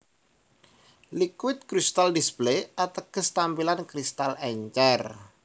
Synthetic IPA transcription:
likwɪt̪̚kɾist̪aldisbleat̪əɡ̥əst̪ampilankɾist̪alɛɲt͡ʃɛr

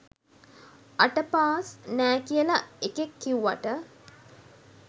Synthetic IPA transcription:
aʈəpaːsnæːkijəlaekekːiuʋa̰ʈə

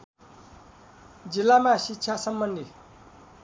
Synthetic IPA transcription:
d͡zilːamasikːɕʰasʌmbʌnd̪ʱi

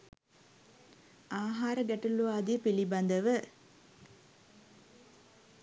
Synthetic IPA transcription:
aːɦaːɾəɡæʈəlːuaːd̪ijəpiliband̪əʋə

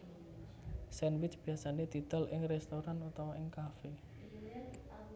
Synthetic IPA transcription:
sɛnwɪt͡ʃb̥i̤asaned̪̥it̪ɔlɪŋrɛst̪oɾanut̪awaɪŋkafe

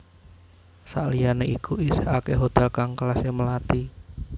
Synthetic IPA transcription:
sa̰ʔlijaneʔikuisehakeɦot̪ɛlkaŋkəlaseməlat̪i

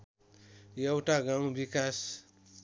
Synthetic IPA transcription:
jewʈaɡaw̃bikas

